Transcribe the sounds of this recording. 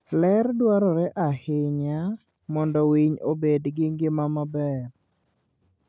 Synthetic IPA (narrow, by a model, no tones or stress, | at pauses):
lɛɾdwaɾɔɾɛʔahɪɲa | mɔndɔwiɲobedɡɪŋɡɪmamabɛr